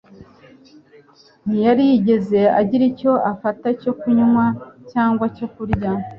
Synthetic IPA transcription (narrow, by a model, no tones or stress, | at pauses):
n̥ijaɾijiɟe̞ze̞aɟiɾico̞ʔafataco̞kuɲumwacaːŋɡwaco̞kuɾɟa